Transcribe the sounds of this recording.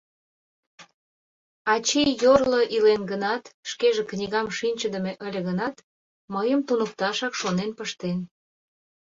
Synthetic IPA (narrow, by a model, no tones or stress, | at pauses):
ɑt͡ɕejjorləʔilenɡənɑt̪ʃkeʒeknʲiɣɑmʃinʲt͡ɕəd̪ə̆meʔəlʲəɣənɑt̪ | məjəmt̪unək̚t̪ɑʃɑkʃonenpəʃt̪en